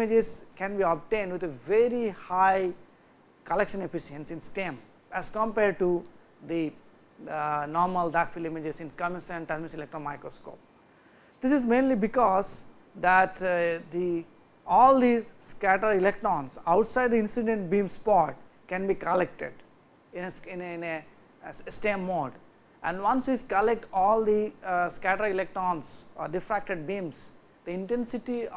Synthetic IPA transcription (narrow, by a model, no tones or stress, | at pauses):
ɪd͡ʒezkɛ̃nbiɔb̚ʈẽːnɖʋɪt̪eʋeɾihaɪ | kəlekʃə̃nefɪʃiə̃nsɪ̃nsʈẽm | æzkɔ̃mpɛːɖ̚ʈu | d̪i | nɔːɾməlɖakfilɪ̃mɪd͡ʒezɪ̃nskamɪ̃sɛ̃ɳʈazmɪsilek̚ʈɾɔ̃nmaɪkɾosko̰ːp̚ | d̪̥ɪsɪzmẽːnlibɪkɔːz | d̪æʈd̪i | ɔːld̪iskæʈəɾɪlek̚ʈɾɔ̃nsaʊʈsaɪɖd̪iɪ̃nsiɖẽɳʈ̚bĩːmspɔːɾʈ̚ | kɛ̃nbikəlek̚ʈḛɖ | ɪ̃neɪ̃nne | sʈẽmːoːɖ | ʔɛ̃ɳɖʋʌ̃nsʋiskəlek̚ʈɔːld̪iskæʈəɾɪlek̚ʈɾɔ̃ːnsɔːɖɪfɾæk̚ʈeɖ̚bĩːms | d̪̥iɪ̃nʈẽnsɪʈi